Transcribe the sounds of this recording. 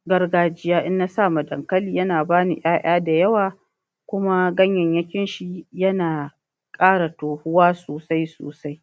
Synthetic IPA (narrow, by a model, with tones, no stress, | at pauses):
ɡɐ˦rɡaː˦d͡ʒɪ˦jaː˦ʔɪ˦nːa˦saː˦˨ma˨dɐ̰˨ŋkɐ˦liː˨jɐ˦naː˨baː˦nḭ˨ʔj̰aː˦ʔaː˦da˨jɐ˦waː˨ | kʷʊ˦ma˦ɡɐ˦ɲjɐ˨ɲjɐ˦kʲɪ˦nʃi˨jɐ˦naː˨ | kʼaː˦ɽa˨toː˨hʊ˦waː˦soː˨sa˦jso̰ː˨sa˦j